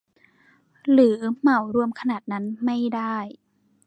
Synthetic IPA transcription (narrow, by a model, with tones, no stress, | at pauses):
ɾɯː˩˦ma˨˩˦wɾu˧əmkʰa˧naː˨˩t̪̚na˦˥nma˥˩jda˥˩j